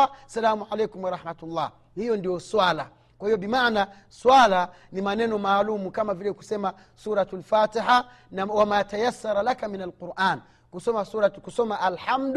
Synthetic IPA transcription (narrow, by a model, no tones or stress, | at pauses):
salaːmuʕalejkumwaɾˤɑħmatulːaː | hijɔndijɔswala | kwahijɔbimaʕna | swala | nimanɛnɔmaːlumukamavilɛku̥sɛma | suːɾatalfaːtiħa | nawamaːtajasːaɾˤalakaminalquɾʔaːn | kusɔmasuɾatkusɔmaʔalħamd